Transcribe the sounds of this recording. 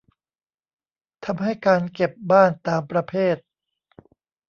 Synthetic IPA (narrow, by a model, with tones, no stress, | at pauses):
t̪ʰa˧mɦa˥˩jkaː˧nke˨˩p̚baː˥˩nt̪aː˧mpɾa˧pʰeː˥˩t̪̚